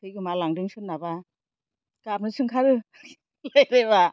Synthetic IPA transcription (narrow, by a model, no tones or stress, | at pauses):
sʰɯjɡɯmalaŋdɯŋsʰɯt̚naba | kap̚nɯsʰɯŋkʰaɾɯ | lajɾeba